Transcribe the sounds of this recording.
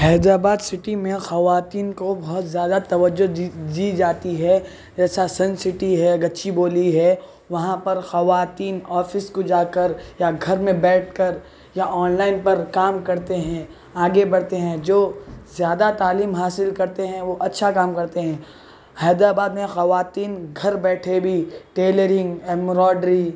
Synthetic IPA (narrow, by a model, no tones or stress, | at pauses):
ɦɛːd̪ɾaːbaːd̪sɪʈimẽxɐʋaːt̪iːnkobɐɦʊt̪zjaːd̪at̪ɐʋəd͡ʒːod̪iːd͡ʒaːt̪iɦɛ | d͡ʒɛːsasɐ̃nsɪʈiɦɛɡɐtːʃiboːliɦɛ | ʋɐɦãpɐɾxɐʋaːt̪iːnɔːfɪskod͡ʒaːkɐɾjaɡʱɐɾmẽbɛːʈ̚ʰkɐɾ | jaʔɔːnlaːɪnpɐɾkaːmkɐɾt̪eɦɛ̃ | aːɡebɐɽt̪eɦɛ̃d͡ʒoːzjaːd̪at̪aːliːmɦaːsɪlkɐɾt̪eɦɛ̃ʋoʔɐtːʃʰakaːmkɐɾt̪eɦɛ̃ː | hɐːd̪ɾaːbaːd̪mẽxɐʋaːt̪iːnɡʱɐɾbɛːʈʰebʱiʈeːləɾɪ̃ŋɡɛmɾɔːɖɾi